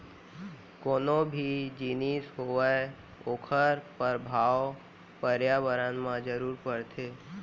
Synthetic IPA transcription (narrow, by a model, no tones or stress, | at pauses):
koːnõbʱid͡ʒiːnisɦoəe | oːkʰəɾpəɾbʱaːw | pəɾjabəɾanmãd͡ʒəɾuːɾpəɾt̪ʰeː